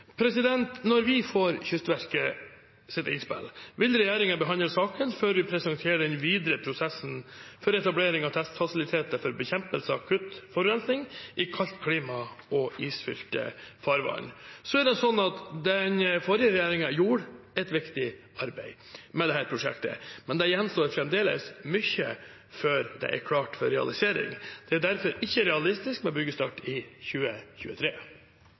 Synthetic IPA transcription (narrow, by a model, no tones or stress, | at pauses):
pʰɾɛsɪd̪ɛnt̪nɔɾʋɪfoːɾçʏst̪ʋæɾkə | sɪt̪ɪ̰nspɪ̰lʋɪlɾɛjeːɾɪŋəbɛɦɑnd̪əsɑːkənføːɾʋɪpʰɾɛsɛnt̪ʰeːɖɛnʋiːd̪ɾəpʰɾʊsɛsn̩fɔɾɛt̪ɑbleːɾɪŋɑt̪ʰɛst̪fɑsɪlɪt̪ʰeːt̪əfɔɾbɛçɛmpəlsəɑkʰʉt̪fɔɾʉɛnd̪nɪŋʔɪkʰɑlt̪kʰliːmɑɔiːsfʏ̰lt̪ə̰fɑɾʋɑ̰ːnsɔæɾɖɛsɔnːɑt̪d̪ɛɲfɔɾɪəɾɛjeːɾɪŋɑjuːɾɛt̪ʋɪkt̪ɪ | ɑɾbæɪ | mɛd̪ɛɦæːɾpʰɾʊʂɛ̰kt̪ə̰mɛnd̪ɛjɛnst̪oːɾfɾɛmd̪eːlə̰smʏçə̰ | føɾd̪ɛ̰ʔæ̰ɾkʰlɑːʈfɔɾɛɑ̰lɪseːɾɪ̰ŋd̪̥ɛæɖ̪æɾfɔɾɪçːəɾɛɑlɪst̪ɪskmɛnbʏɡəst̪ɑʈːɪçʉːəçʉ̰ːət̪ʰɾeː